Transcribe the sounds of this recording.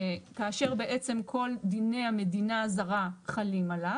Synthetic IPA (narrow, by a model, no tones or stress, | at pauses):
kaːʃe̞ʁbe̞ʔe̞t͡se̞mkʰo̞ld̪ine̞hame̞dinazaʁaχalimala